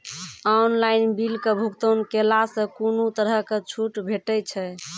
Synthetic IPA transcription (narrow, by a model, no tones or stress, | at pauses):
ɔnlajnbilkebʱukt̪ənkelasə̃kunut̪əɾəket͡ʃʰuʈbʱeʈɛt͡ʃʰɛ